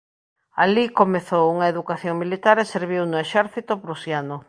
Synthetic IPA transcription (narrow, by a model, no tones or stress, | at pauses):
alikomeθowuŋaeðukaθjoŋmilit̪aɾeseɾβ̞iwnʊeʃɛɾθit̪ʊpɾusjanʊ